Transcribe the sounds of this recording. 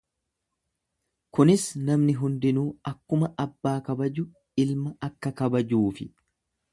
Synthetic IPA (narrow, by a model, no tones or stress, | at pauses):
kʊnɪsnɐmnɪɦʊnd̪ɪnuːɐkːʊmɐʔɐbːaːkɐbɐd͡ʒʊ | ɪlmɐɐkːɐkɐbɐd͡ʒuːfɪ